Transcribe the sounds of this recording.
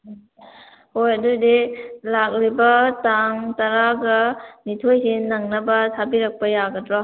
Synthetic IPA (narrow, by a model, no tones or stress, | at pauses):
hojɐdudilak̚ɾibɐtaŋtɐɾaɡɐnitʰojsinɐŋnɐbɐtʰabiɾɐk̚pɐjaɡɐdɾɔ